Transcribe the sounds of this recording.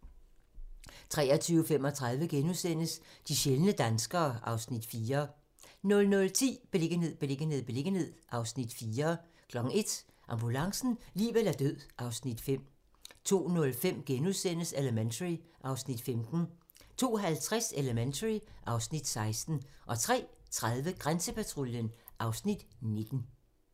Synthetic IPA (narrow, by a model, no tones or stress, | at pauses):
t͡sʰʁɛ̰ːɐt͡sʰyːʊəfemɒ̽t͡sʰʁɑ̈ð̞ˠʋəɡ̥enusen̰əsd̥iɕelənəd̥ænsɡ̥ɐːʔɑ̈ʊsnid̥fiːɐ | nɔ̽lnɔ̽lt͡sʰḭːb̥eleɡ̥əne̝ð̰ˠb̥eleɡ̥əne̝ð̰ˠb̥e̝le̝ɡ̥ən̩he̝ð̰ˠʔɑ̈ʊsnid̥fiːɐ | kʰlɒ̽ɡ̥n̩e̝d̥ | ʔɑ̈mb̥ulɑ̈ŋsn̩liːʋelæɐd̥øð̰ˠʔɑ̈ʊsnid̥fem̰ | t͡sʰo̝̰ːnɔ̽lfem̰ɡ̥enuðˠsen̰əseləment͡sʰəʁiʔɑ̈ʊsnid̥femd̥n̩ | t͡sʰo̝̰ːɦælt͡sʰʁaseləment͡sʰəʁiʔɑ̈ʊsnid̥sɑ̈ɪsd̥n̩ʔɒ̽t͡sʰʁɛ̰ːt͡sʰʁaðˠʋəɡ̥ʁansəpʰæt͡sʰʁoljənʔɑ̈ʊsnid̥ne̝d̥n̩